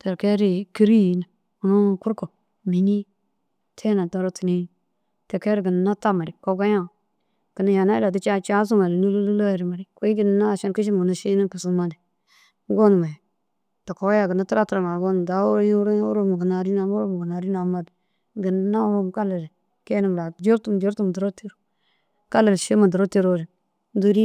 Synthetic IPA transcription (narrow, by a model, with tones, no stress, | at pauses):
te˨ɾke˦ɾi˦ki˦ɾi˦ji˨na˨ | u˨no˦˨ku˦ɾko˨ | mi˨ɲi˦ | tʰe˦na˨ta˨ɾo˦ti˨ni˦ | te˨ke˦ɾɡə˨n˨na˦ta˦ma˨ɾi˨ko˦ɡa˦ja˦ | ɡ̥ə˨na˨ja˨na˦la˨ti˦t͡ʃa˦t͡ʃa˦s̬u˦ma˨lnu˦lu˦lu˦la˦˨ɾi˨ma˨ɾi˨ko˦i˦ɡi˨n˨na˦˨ʃa˦nki˦ʃ̬i˦m˨na˨ʃi˦ni˦kə˨su˦ma˦di˨˦ | ɡo˦n˨ma˨ | ta˨ko˨˦ja˦˨ɡə˨na˦tu˦ɾa˦tu˨ɾa˨ŋa˨ɡo˦n˨da˨˦o˦ɾo˦jɾo˦u˦ɾo˦mu˨ɡə˨na˨ɾi˦na˨mu˦ɾo˦m˨ɡə˨na˨ɾi˦na˨˦ma˦d | ɡə˨n˦na˦ɾo˦m˨ka˦le˨le˨ | ke˦nə˨m˨la˨d͡ʒo˦ɾtu˦m˨d͡ʒo˦ɾtu˦m˨du˨ɾo˦ti˦ɾu̥˦ | ka˦lə˨lʃe˦ma˨du˨ɾo˦te˦ɾo˦˨ɾi˨ | du˦ɾi˦